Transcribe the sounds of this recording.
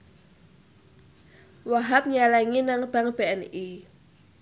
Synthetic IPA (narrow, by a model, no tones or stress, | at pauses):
waɦap̚ɲalaŋinaŋb̥aŋb̥eɛni